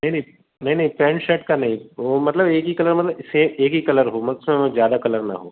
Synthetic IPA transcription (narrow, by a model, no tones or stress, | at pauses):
nɐɦinɐɦĩ | nɐɦĩnɐɦĩpɛ̃ːnʃɛʈkanɐɦĩomɐt̪ləbeːkikɐləɾmɐt̪ləbseeːkikɐləɾɦoːmɐsẽzjaːd̪akɐləɾna̰ɦo̰ː